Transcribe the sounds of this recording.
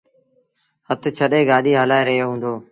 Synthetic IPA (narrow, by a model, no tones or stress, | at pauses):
hət̪t͡ʃʰəɗeːɡaːɗiːɦəlaːeːɾəɦjoːɦũːnd̪oː